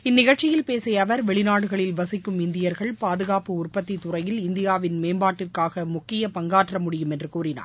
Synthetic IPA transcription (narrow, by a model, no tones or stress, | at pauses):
ɪnːɪɣɐɻt͡ʃɪjɪlpeːsɐjɐʋɐɾʋɛɭɪnaːɽɯɣɐɭɪlʋɐsɪkːɯmɪnd̪ɪjɐɾɣɐɭpaːðɯɣaːpɯʊrpɐt̪ːit̪ʊrɐjɪlɪnd̪ɪjaːʋɪnmeːmbaːʈːɪrkaːɣɐmʊkːɪjɐpɐŋɡaːʈrɐmʊɽɪjɯmɛndrɯkuːɾɪna̰ː